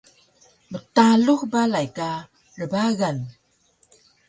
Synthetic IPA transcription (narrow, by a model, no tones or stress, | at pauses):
mətaluxbalajka | ɾəbaɣan